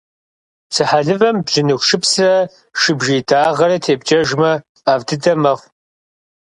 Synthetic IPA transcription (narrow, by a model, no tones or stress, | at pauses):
sʰɨħaɮɨvɐmbʑɪnɨxʷʃɪpsrɐ | ʃɨbʒiːdaːʁɐɾɐtʰeːbd͡ʒɐʒmɐ | aːvdɨdɐmɐχʷ